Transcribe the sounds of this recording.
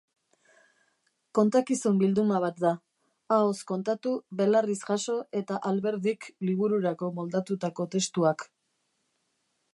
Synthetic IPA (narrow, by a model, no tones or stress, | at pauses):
ko̞nt̪akisumbild̪umaβ̞at̪̚d̪a | aosko̞nt̪at̪uβe̞larisʝaso̞e̞t̪aʔalβe̞ɾðikliβ̞uɾuɾako̞mo̞ld̪at̪ut̪ako̞t̪e̞st̪uak